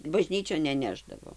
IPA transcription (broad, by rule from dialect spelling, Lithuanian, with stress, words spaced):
bɐˈʒʲnʲiːt͡ʃʲoːn nʲɛˈnʲæːʒdɐʋoː